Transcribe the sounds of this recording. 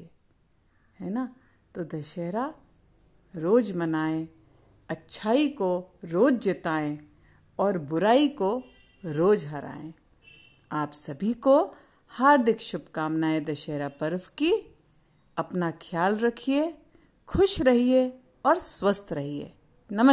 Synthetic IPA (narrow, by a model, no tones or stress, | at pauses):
hɛːna | t̪oːd̪ɐʃeːɾa | ɾoːd͡ʒmɐnaːẽ | ɐtːʃʰaːikoɾoːd͡ʒd͡ʒɪt̪aːẽ | ɔːɾbʊɾaːiko | ɾoːd͡ʒɦɐɾa̰ːḛ̃ː | aːpsɐbʱiko | haːɾd̪ʱɪkʃʊbkaːmnaːẽd̪ɐʃeːɾapɐɾwki | ɐpnakʰjaːlɾɐkʰie | kʰʊʃɾɐɦie | ɔːɾswəst̪ɾɐɦiḛː | nɐmə